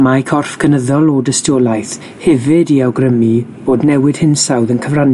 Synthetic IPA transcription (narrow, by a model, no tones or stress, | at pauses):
makʰɔrfkʰənəðɔlˠɔdəstoːlˠajθ | hɛvɪdiawɡrəmib̥oːdnɛwɪd̥hɪnsawðənkʰəvran